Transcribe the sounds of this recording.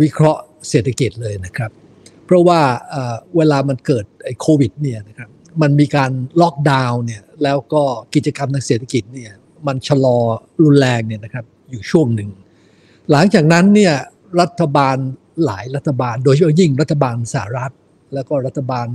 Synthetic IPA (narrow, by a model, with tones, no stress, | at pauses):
wi˦˥kʰɾɔ˦˥ʔ | seː˨˩t̪ʰːa˧ki˨˩t̪̚lɤː˧jna˦˥kʰɾa˦˥p̚ʰː | ɾɔ˦˥waː˥˩ʔəː˨˩weː˧laː˧ma˧nkɤː˨˩t̪̚ʔa˧˩jkʰoː˧wi˨˩t̪̚ni˥˩ɐna˦˥kʰɾa˦˥p̚ma˧nmiː˧kaː˧nlɔ˦˥k̚daː˧wni˥˩ɐlɛː˦˥wkɔː˥˩ki˨˩t̪̚t͡ɕa˧ka˧mt̪ʰaː˧ŋseː˨˩t̪ʰa˧ki˨˩t̪̚ni˥˩ɐ | ma˧nt͡ɕʰa˧lɔː˧ɾu˧nlɛː˧ŋni˥˩na˦˥kʰɾa˦˥p̚juː˨˩t͡ɕʰu˥˩əŋnɯ˨˩ŋ | la˨˩˦ŋt͡ɕaː˨˩k̚na˦˥nːi˥˩ɐ | ɾa˦˥t̪ʰːa˧baː˧n | la̰ː˩˦jɾa˦˥t̪ʰːa˧baː˧ndoː˧jt͡ɕʰa˦pʰɔ˥˩ji˥˩ŋɾa˦˥t̪ʰːa˧baː˧nsa˨˩a˨˩ɾa˦˥t̪̚ | lɛː˦˥wkɔː˥˩ɾa˦˥t̪ʰːa˧baː˧n